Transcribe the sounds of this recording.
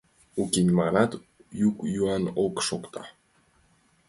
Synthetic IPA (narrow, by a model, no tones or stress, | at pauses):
ukʲinʲmaɾat̪ | jukjuɑnokʃokt̪ʰɑ